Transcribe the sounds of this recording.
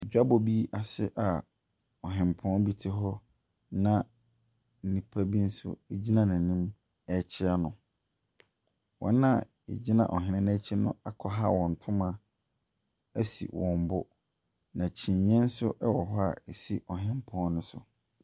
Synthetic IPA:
ɛ˨d͡ʑᶣa˦bɔ˨bi˦a˨sɪ̰˦ʔa˨ | ɔ˨ɦɪ̃˨m˨pʰɔ̃˦nbi˦tʰɪ˦ɦɔ˦ | nã˦ | n̩˨nĩ˨pʰa˦bi˦n̩˦sʊ̰˦ɛ˦˨d͡ʑi˦nã˦nã˨nĩ˦m | ɛ˦t͡ɕʰɪ˦a˦nʊ̃˨ | wɔ̰̃˦nːã˦ | ḛ˨d͡ʑi˦nã̰˨ʔɔ˨ɦɪ̃˨nɪ̃˦næ˦t͡ɕʰɪ˦nʊ̰̃˦a˨kʰɔ˨˦ɦa˦wɔ̃˨n̩˨tʰʊ̃˦mã˦ | æ˦sḭ˨wɔ̃˨m˨bʊ˦ | nã˨t͡ɕʰĩ˨ɲː˦ɛ̃˦n̩˦sʊ˦ʔɛ˦wɔ˨ɦɔ˦a̰˨ɛ˨si˦ʔɔ˨ɦɪ̃˨m˦pʰɔ̃˦n˦nʊ̃˦sʊ˨

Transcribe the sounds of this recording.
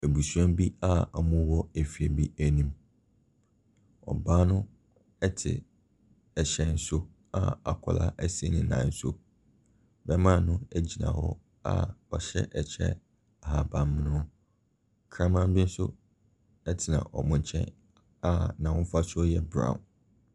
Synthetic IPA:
æ˨bu˨sɛ̃˦mbi˦a˦ɔ˨mʊ̃˦wɔ˦æ˨fi˨ɛ˨bi˦æ˦nĩ˦m | ɔ̰˨ba˦nʊ̃˦ | ɛ˦tʰɪ̰˨ | ɛ˨ɕɛ̃˦n̩˦so˦ | a̰˦a̰˨kʰɔ˨la̰˦ʔæ˦se˦nɪ̃˨nã̰˨n̩˦so̰˦ | bɛ˦mã˦˨nʊ̃˦æ˦d͡ʑi˨nã̰˨hɔ̰˦ | a̰˦ɔ˨ɕɛ̰˦ʔɛ˨t͡ɕʰɛ̰˦ | a˨ha˨bã˨m˦nʊ̃˦ | kʰɾã˦mã˦m˦bɪ˦n̩˦sʊ̰˦ | ɛ˦tʰɪ˨nã̰˨ʔɔ˨mʊ̃˨ɲ˨t͡ɕʰɛ̰̃˦n | a˦nã˨ʊ̃˦m˦fa˦sʊ˦ɔ˦jɛ˦bɾã̰˨ʊ̃˨n

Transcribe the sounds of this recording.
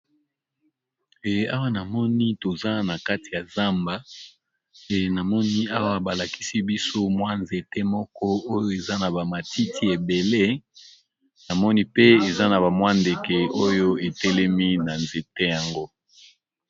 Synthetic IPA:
e˨a˦wa˦na˨mɔ˦ni˦to˨za˦na˨ka˦ti˨ja˨za˦mba˦ | e˨na˨mɔ˦ni˦a˦wa˦ba˨la˨ki̥˦si˦bi˦so˦mwa˦nze˨te˦mɔ˦kɔ˦o˦jo˦e˨za˦na˨ba˨ma˨ti˦tʰi˦e˨be˨le˦ | na˨mɔ˦ni˦pe˦e˨za˦na˨ba˨mwa˦nde˨ke˨o˦jo˦e˨tɛ˦lɛ˦mi˦na˨nze˨te˦ja˨ŋɡo˦

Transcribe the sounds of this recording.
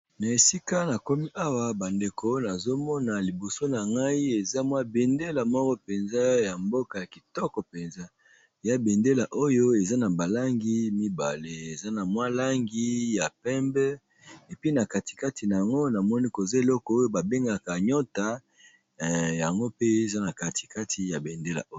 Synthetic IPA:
na˨e˨si˦ka˦na˨ko˦mi˦ʔa˦wa˨ba˨nde˨ko˦na˨zo˦mɔ˦na˨li˨bo˨so˦na˨ŋɡa˦i˦e˨za˦mwa˦be˨nde˦la˨mɔ˦kɔ˦pe˨nza˦ja˨mbo˦ka˨ja˨ki˨tɔ˦kɔ˨pe˨nza˦˨ | ja˦be˨nde˦la˨ʔo˦jo˦e˨za˦na˨ba˨la˦ŋɡi˦mi˦ba̰˨le˨e˨za˦na˨mwa˦la˦ŋɡi˦ja˨pɛ˦mbɛ˦ | e˨pi˦na˨ka˨ti̥˨ka˦ti˨na˨ja˨ŋɡo˦na˨mɔ˦ni˦ko˨za˦e˨lɔ˦kɔ˨o˦jo˦ba˨be˦ŋɡa˨ka˨ɲɔ˦ta˦˨ | ja˨ŋɡo˦pe˦e˨za˦na˨ka˨ti̥˨ka˦tʰi˨ja˨be˨nde˦la̰˨o˦

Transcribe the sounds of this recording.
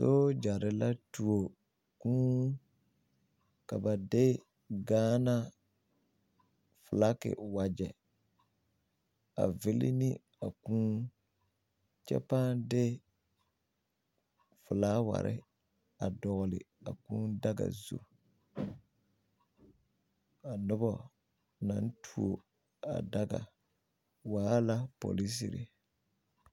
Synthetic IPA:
so˦d͡ʒa˨ɾɪ˨la˦tu˨o˨ | kũː˦ | ka˨ba˨dɪ˦ | ɡaː˦na˦ | fʊ˨la˦kɪ̰˨wa˨d͡ʒɛ˨ | a̰˨vɪ˦lɪ˦nɪ˦ | a˨kũː˦ | t͡ʃɛ̰˦pa˦dɪ˦ | fʊ˨laː˦wa̰˨ɾʔɪ̰˦ | a˨dɔ˨ɣʊ˨lɪ˨ | a˨kũ˦da˦ɡa̰˨zo̰˨ | a˨nʊ˦bɔ˦ | na˨˦n˦tʰu˦˨o˨ | a̰˨da˦ɡa̰˨ | waː˨˦la˦po̰˨li˦s̬i˨ɾɪ˨

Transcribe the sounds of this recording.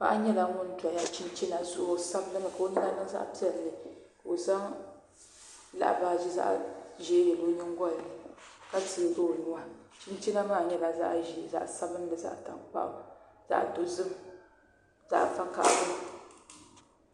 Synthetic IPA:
pa̰˦ʔa˦ɲɛ˦la˦ŋʊ˦n˦ta˨ja˦t͡ʃi˦n˦t͡ʃi˦na˨zʊ˦ʔo˦sa˦bnɨ˦mɨ˨ka˨o˨˦ni˦la˦nɨ˦ŋ˦za̰˦ʔpi˦ɛ˦˨ɾlɨ˨ka˨o˨za˦ŋ | la̰˦ʔbaː˨ʒi˦za̰˦ʔʒe˦jɛ˨lo˦ɲɨ˦ŋ˦ɡɔ˦˨ka˦ti˨ɡo˦˨nu˨wa˦ | t͡ʃi˦nt͡ʃi˦na˦maː˦˨ɲɛ˦la˨za̰˦ʔʒi˦˨za̰˨ʔsa˦bɨ˦n˦dɨ˨za̰˦ʔta̰˨ŋk͡pa̰˦ʔ | z̥a̰˦ʔdo˨zɨ˦m | z̥a̰˦ʔfa˦ka̰˨ʔbɨ˦

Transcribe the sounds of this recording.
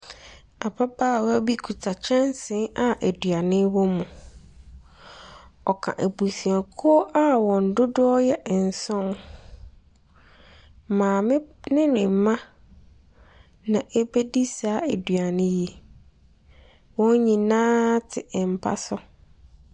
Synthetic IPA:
a˨pʰa˦baː˦˨wa˦bi˦kʰu˨tʰa˨t͡ɕʰɛ̃˦n˦sɪ̃˦a˨ʔæ˨dɥa˨nɪ̃˦wɔ˦mũ˨ | ɔ˨kʰã̰˨ʔæ˨bu˨sĩ˨a˨kʰʊ˦ɔ˦ʔa˦wɔ̃˨n˨dʊ˦dʊ˦ɔ˦jɛ˦˨ʔn̩˨sɔ̃˦n | mãː˨mɪ̃˦nɪ̃˦nɪ̃˨m˨mã˦ | nã˨ʔe˦be˦di˦saː˨˦æ˨dɥa˨nɪ̃˦je˦ | wɔ̃˦ɲĩ˨nãː˦tʰɪ˨m̩˨pʰa̰˦sɔ˦

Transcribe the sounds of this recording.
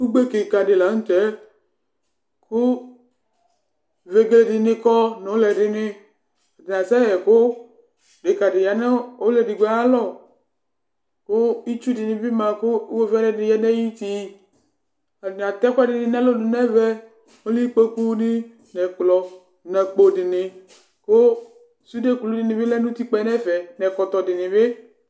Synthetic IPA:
u˦ɡ͡be˦ke˨ka˨dɪ˨la˨˦n̩˦t̪ɛ˨˦ | kʰʊ˦ | ve˨ɡle˨dɪ˨nɪ˨kɔ˦no˨˦lɛ˨dɪ˨nɪ˦ | a˨dɪ˨n˨a˨sɛ˦ɛ˨kʊ˦ | dɪ˨ka˨dɪ˨ja˨nɛ˦o˦lɛ˨dɪ˨ɡʷɛ˨˦a˦lɔ˦˨ | kʊ˦i˦t͡ʃu˦dɪ˨nɪ̃˨˦vi˦mã˨kʊ˦wo˦vi˦a˦dɛ˦dɪ˨ja˦nɛ˦ji˦t̪i˨ | a˨dɪ˨n˨a˨t̪ɛ˦kʷa˦dɪ˨nɪ̃˨nɛ˦lo˦nɪ˨nɛ˦vɛ˦ | o˦li˦k͡pe˦ku˦nɪ˦ | nɛ˨k͡plɔ˨ | nɛ˨k͡po˨dɪ˨nɪ˨ | ko˦ | su˦de˦ku˨lu˦dɪ˨nɪ̃˨bɪ˦lɛ˦nũ˦t̪i˦k͡pɛ˦˨˦nɛ˦fɛ˨nɛ˨kɔ˨t̪ɔ˨dɪ˨nɪ˨bɪ˦

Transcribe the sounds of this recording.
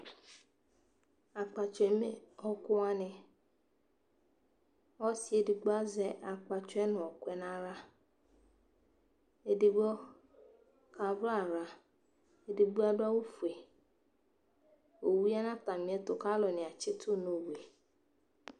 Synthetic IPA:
a˨k͡pa˨t͡ʃʷe˨me˦ɔ˦kʊ˦a˦nɪ˦ | ɔ˦si˦e˦di˨ɡ͡ba˦zɛ˦ʔa˨k͡pa˨t͡ʃɛ˦nʊ˨ɔ˨kʷe˨na˦ɾa˦ | e˦di˨ɡ͡bɔ˦ | ka˨va˨ɾa˨ | e˦di˨ɡ͡bu˦a˦da˦u˦fu˨e˨ | o˨wu˦ja˦na˦ta˨mi˨˦e˦tʊ˨ka˦lɔ˨nɪ˨a˨t͡ʃɪ˦tʰʊ˦˨no˨we˨

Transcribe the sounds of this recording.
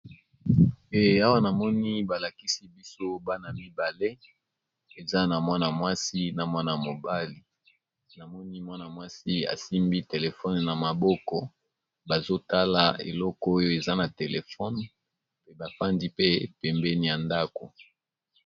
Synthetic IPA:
e˨a˦wa˦na˨mɔ˦ni˦ba˨la˨ki˦si˦bi˦so˦ba˦na˨mi˦ba˨le˦ | e˨za˦na˨mwa˦na˨mwa˦si˦na˨mwa˦na˨a˨mo˨ba˦li˨ | na˨mɔ˦ni˦mwa˦na˨mwa˦si˦a̰˨si˦mbi˦te˨le˨fɔ˦nna˨ma˨bɔ˦kɔ˨ | ba˨zo˦ta˦la˨ḛ˨lɔ˦kɔ˦o˦jo˦e˨za˦na˨te˨le˨fɔ˦n | pe˨ba˨fa˦ndi˦pe˦pɛ˨mbɛ˦ni˨ja˨nda˦ko˨

